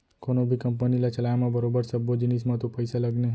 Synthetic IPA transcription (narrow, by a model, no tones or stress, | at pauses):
konobʱikəmpənilat͡ʃɐlaːjmãbəɾoːbəɾsəbːod͡ʒɪnis̬mãt̪opəɪsaləɡneɦɛ